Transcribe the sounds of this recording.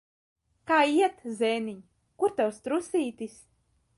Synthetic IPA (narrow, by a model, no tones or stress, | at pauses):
kaːiɛt̪zɛːniɲ | kuɾt̪awst̪ɾusiːt̪is